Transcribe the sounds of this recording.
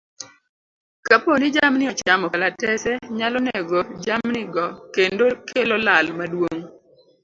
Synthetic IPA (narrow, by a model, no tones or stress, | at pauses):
kaponɪd͡ʒamnɪɔt͡ʃamɔkalatɛsɛɲalɔnɛɡod͡ʒamnɪɡɔkendokʰelɔlalmadwoŋ